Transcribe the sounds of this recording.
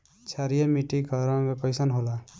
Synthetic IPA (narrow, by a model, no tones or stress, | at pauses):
t͡ʃʰaɾijʌmiʈiɡʱʌɾbepəjsʌnɦola